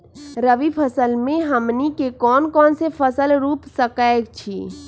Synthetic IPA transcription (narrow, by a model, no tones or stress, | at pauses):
ɾəʋipʰəsəlmẽɦəmnikekɔːnkɔːnsepʰəsəlɾuːpsəkak̚t͡ʃʰḭ